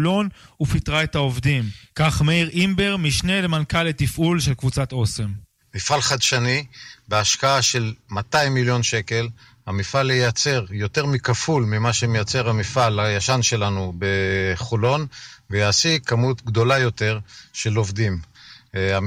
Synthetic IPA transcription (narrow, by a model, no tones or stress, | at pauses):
lo̞n | ufit̪ʁaet̪aovd̪imkaχmeiʁʔimbeʁmiʃne̞lemankalet̪ifʔulʃelkvut͡sat̪o̞se̞m | mifalχad̪ʃanibeaʃkaaʃe̞lmat̪aimːiljo̞nʃe̞ke̞l | hamifalejat͡se̞ʁjo̞t̪eʁmikafulmimaʃemejat͡se̞ʁamifalajaʃanʃe̞lanubeχolo̞nvejaːsikamutɡd̪o̞lajo̞t̪e̞ʁʃe̞lo̞vd̪im | a